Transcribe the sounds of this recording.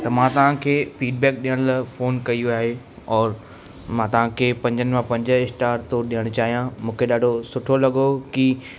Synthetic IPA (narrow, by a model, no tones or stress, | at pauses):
t̪ɐmãt̪ɐʋ̤ãkʰeːfiːɖ̚bɛːk̚ɗijəɽ̃lfoːnkɐijuaːɦe | ɔːɾ | mãːt̪ɐʋ̤ãkʰeːpɐ̃ɲd͡ʑənɪ̆mãpɐ̃ɲd͡ʑəɪsʈaːɾt̪ɔːɾɗijəɽ̃ʊt͡ɕaːɦijãmũːkʰeɗaːɖʱosʊʈʰolɐɠoki